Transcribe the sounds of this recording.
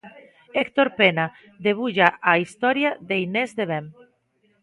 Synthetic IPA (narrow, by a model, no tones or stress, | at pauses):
ekt̪oɾpena | ðeβ̞uʎaʔaist̪ɔɾjaðeinezðeβem